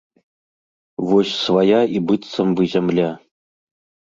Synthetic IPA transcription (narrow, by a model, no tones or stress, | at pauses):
ʋuɕsʋɑjɑʔibɯt̪sɤ̆mbɯzʲɘmʲlʲe